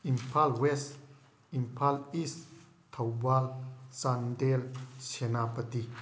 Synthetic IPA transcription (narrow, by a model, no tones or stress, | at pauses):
impʰalwes | impʰalis | t̪ʰawwalsandelt͡ʃenapət̪i